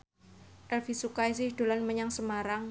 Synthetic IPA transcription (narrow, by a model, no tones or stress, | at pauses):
ʔɛlfisukajsɪhɖ̥olanməɲaŋsəmaɾaŋ